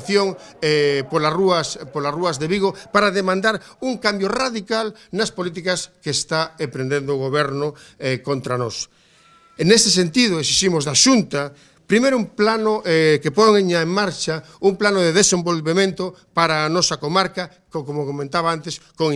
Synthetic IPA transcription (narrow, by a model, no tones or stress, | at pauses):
θjoŋɛpolaruɐspolaruɐzðeβiɣopaɾaðemãnd̪aɾuŋkambjoraðikalnɐspolit̪̬ikɐskeːst̪aepɾẽnd̪end̪oːɣoβɛɾnʊ | ɛkont̪ɾanɔ̰s | nest̪es̬ent̪iðoesiʃimozðaʃunt̪ɐ | pɾimejɾʊumplanoʔɛkepoŋeɲaeŋmaɾt͡ʃa | uŋplanoðeðesembolβemẽnt̪oʊ | paɾaːnɔsɐkomaɾkɐ | kkomokomẽnt̪aβaant̪eskoŋ